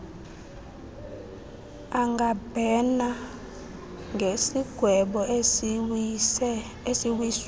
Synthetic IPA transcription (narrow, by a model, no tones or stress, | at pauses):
aŋɡab̥ʱɛna | ŋʱesiɡ̥ʱwɛɓɔ | esiwis